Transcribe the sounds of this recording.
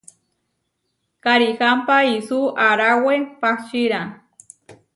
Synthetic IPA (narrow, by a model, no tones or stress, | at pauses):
kaɾixampaisuaɾawepaht͡ʃiɾa